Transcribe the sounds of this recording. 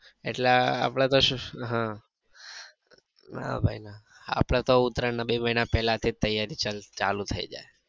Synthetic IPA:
ḛʈlea̰pɽ̃at̪oʃũɦã | na̰bʱajna | a̰pɽ̃at̪oʊt̪ɾənabiməɦinapɛlat̪ʰit̪əjaɾit͡ʃat͡ʃalut̪ʰəid͡ʒa̰e

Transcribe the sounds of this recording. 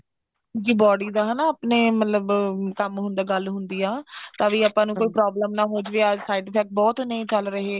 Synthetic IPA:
d͡ʒiːbɔːɽiːd̪aːɦənaːaːpneːmət̪ləbkəmɦʊ̃nd̪aːɡəlɦʊnd̪iːãːt̪ãːʋiːaːpãːnũːkoːiːpɾaːbləmnãːɦoːd͡ʒʋeaːsaːɪʈpʰɛːk̚bɔːt̪nəĩːt͡ʃəlɾəɦeː

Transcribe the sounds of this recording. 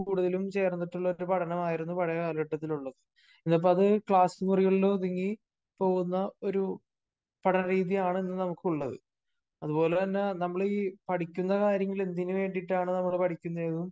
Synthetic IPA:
kuːɽuðɐlumt͡ɕe̞ːrnːiʈːuɭːɐoɾupɐʈʰɐnɐmaːjiɾunːupɐɻɐjɐɐːlɐʈːɐt̪ːiluɭːɐðɨ | enːɐp̬ːoɐðɨkɭaːsɨmuriɣɐɭiloðiŋːi | po̞ːɣunːɐoɾu | pɐʈʰɐnɐriːðijaːɳɨenːɨnɐmukːuɭːɐðɨ̰ | ɐðupo̞ːlet̪ɐnːe̞nɐmːɐɭiːpɐʈʰikʲːunːɐkaːɾjɐŋɡile̞nd̪inɨʋe̞ːɳɖiʈːaːɳɨnɐmːɐɭpɐʈʰikʲːunːɐeðum

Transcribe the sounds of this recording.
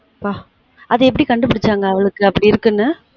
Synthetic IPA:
paː | ʔɐðɐɛp̬ːɐɽikɐɳɖɯpɐɽɯt͡ʃːaːŋɡɐːʋɐɭɯkːɯɐpːɐɽiɪɾɯkːɯnːɯ

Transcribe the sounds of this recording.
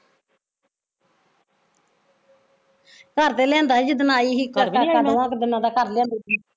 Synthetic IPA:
kəɾt̪eːlɛ̃ːnd̪aːd͡ʒɪd̪ənaːiːɦikəkakad̪ãːkd̪ɪnãːd̪aːkəɾlɛ̃ːnd̪i

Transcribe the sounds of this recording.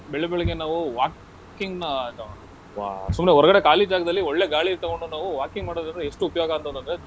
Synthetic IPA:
bɛɭebɛɭɐɡenaːʋuʋaːk | kiŋɡnɐ | ʋa̰ːsumneɦɔɾɐɡɐɽe̞kaːlid͡ʒaːɡɐd̪ɐlːiɔɭːeɡaːɭiːɾt̪ɐɣoɳɖunaːʋuʋaːkiŋɡmaːɽod̪ɐnd̪ɾeeʂʈuupɐjoːɡɐɐnt̪ɐnd̪ɐnd̪ɐɾe

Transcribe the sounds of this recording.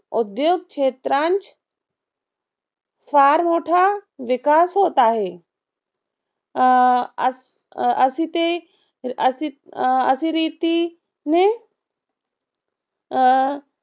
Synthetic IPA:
ʊd̪joːɡ̚kʃʰeːt̪ɾãːnt͡ʃ | faːɾmoːʈʰaʋɪkaːsɦoːt̪aːɦeː | ɐsit̪e | siɐ̰sĩɾiːt̪i | nẽ

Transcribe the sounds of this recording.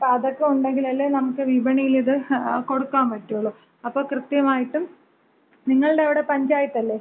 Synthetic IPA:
ɐðokːeuɳɖe̞ŋɡilɐlːenɐmukːɨʋibɐɳijiliðɨko̞ɽukːaːmpɐʈːuoɭːo | ɐpːo̞ːkrɨt̪jɐmaːjiʈːum | niŋːɐɭɨɽeɐʋiɽe̞pɐɲd͡ʑaːjiʈːɐlːeː

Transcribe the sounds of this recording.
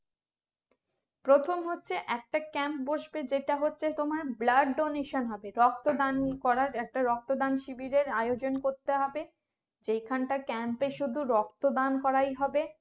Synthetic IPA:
pɾot̪ʰomɦotːɕʰeʔɛk̚ʈakɛmp̚boʃbed͡ʑeʈaɦotːɕʰet̪omaɾblaɖɖoneʃonɦɔbeɾɔk̚t̪od̪ankɔɾaɾɛk̚ʈaɾɔk̚t̪od̪anʃibiɾeɾajod͡ʑonkoɾt̪eɦɔbe | d͡ʑejkʰanʈakɛmpeʃud̪ʱuɾɔk̚t̪od̪ankɔɾajɦɔbe

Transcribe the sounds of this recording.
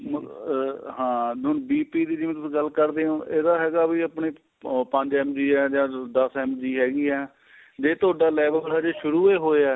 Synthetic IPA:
m | ɦãːʊnbiːpiːd̪iːd͡ʒɪĩt̪ʊsɡəlkəɾd̪eːõːʔeːd̪aːɦɛːɡaːbiːəpɳiː | pə̃ɲd͡ʒɛːmd͡ʒiːɛːd͡ʒãːd̪əsɛːmd͡ʒiːɦɛːɡiːɛː | d͡ʒeːt̪ʊaːɖaːlɛːʋəllɦɛːd͡ʒeːʃʊɾuːeːɦoːeɛː

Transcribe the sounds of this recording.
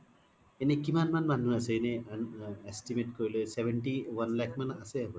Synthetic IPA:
enekimanmanmanuaseenenestimeʈkoɹilesebʱeɳʈiwanlɛkʰmanaseabɔ

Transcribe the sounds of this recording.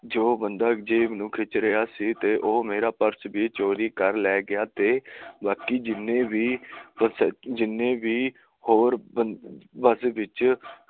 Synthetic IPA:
d͡ʒoːbənd̪aːd͡ʒeːmənʊkʰɪt͡ʃɾəjaːsiːt̪eːʔoːmeːɾaːpəɾsbiːt͡ʃoːɾiːkəɾlɛːɡɪaːt̪eːbaːkiːd͡ʒɪnẽːʋiːəsd͡ʒɪnːẽːʋiː | hoːɾbəʋəsʋɪt͡ʃ

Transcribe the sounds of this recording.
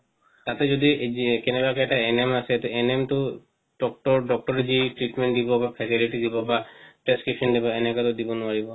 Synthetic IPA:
t̪at̪ed͡ʒod̪ikenebakeɛʈaenemaset̪uenemt̪o | ɖɔk̚ʈɔɾɖɔk̚ʈɔɾed͡ʒiʈɾiʈmẽɳʈd̪ibɔbapʰɛsiliʈid̪ibɔbapɾeskɹipʃɔnd̪ibɔenekat̪od̪ibɔnuaɹibɔ

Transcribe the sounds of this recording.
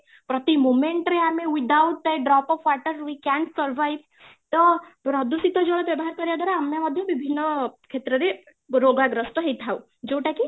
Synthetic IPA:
pɾɔt̪imomeɳʈɾeamewid̪awʈ̚d̪eɖɾɔpɔʋaʈəɾwikaɳʈsɔɾʋajʋ | t̪ɔpɾɔd̪usit̪ɔd͡ʒoɭɔbjɔbɔɦaɾkɔɾjad̪ʱaɾaamːamɔd̪ʱjɔbibʱinːɔkʰet̪ɾɔɾe | ɾoɡaɡɾɔsʈɔɦejt̪ʰaw | d͡ʒewʈaki

